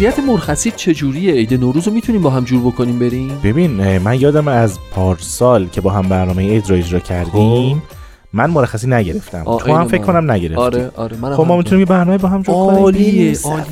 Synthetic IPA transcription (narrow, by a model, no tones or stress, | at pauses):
ijæt̪ʰemoɾxæsiːd̪̚t͡ʃʰe̞d͡ʒuːɾieejd̪enoɾuzomit̪ʰuniːmbɒːɦæmd͡ʒuːɾbokʰoniːmbeɾiːmb̥e̞biːnmænjɒːd̪æmæzpʰɒːɾsɒːlcʰe̞bɒːɦæmbæɾnɒːmejied͡ʒɾɒːe̞d͡ʒɾɒːcʰæɾd̪imː | ænmoɾæxːæs̬iːnæɟe̞ɾe̞ft̪æ̰mt̪ʰohæmfekʰkʰːonæmnæɟe̞ɾeftːɾiɾexobmːɒːmit̪unimjebæɾnɒːmebɒːɦæmd͡ʒuɾko